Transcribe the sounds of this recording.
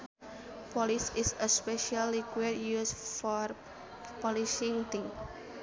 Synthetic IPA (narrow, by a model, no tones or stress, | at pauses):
pɔlisisəspɛʃalikwɛdjusfɔr | pɔliʃĩŋt̪ĩŋ